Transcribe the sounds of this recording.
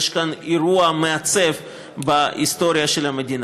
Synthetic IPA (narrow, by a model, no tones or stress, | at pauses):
ʃkaniɾuɐmeat͡sev | baʔist̪o̞ɾʲijaʃelhamed̪ʲin